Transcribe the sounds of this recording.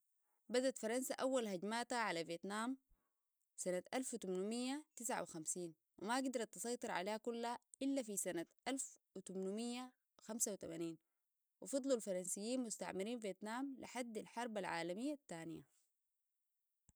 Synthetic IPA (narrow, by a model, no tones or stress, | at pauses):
bad̪at̪fɑɾˤɑnsaʔawːalhaɟmaːt̪haʕalaveːt̪naːm | sanat̪ʔalft̪umnumijːat̪ɪsʕa̰wixamsiːn | wimaɡd̪ɑɾˤɑt̪ːɨsˤɑjt̪ˤɨɾˤʕa̰leːhakulːaʔɪlːafisanat̪ʔalfʔut̪umnumijːa | xamsawit̪amaniːn | wifɑd̪ˤlulfɑɾˤɑnsijːiːnmust̪a̰ʕmiɾiːnveːt̪naːmlḭħad̪ːalħɑɾˤbalʕa̰ːlamijːat̪ːaːnija̰